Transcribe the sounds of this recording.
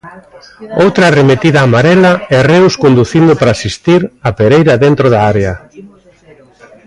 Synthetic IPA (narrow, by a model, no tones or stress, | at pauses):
owt̪ɾɐːremet̪iðaːmaɾɛlɐɛrewskond̪uθind̪ʊpɾaːsist̪iɾapeɾejɾɐðent̪ɾoðaaɾeɐ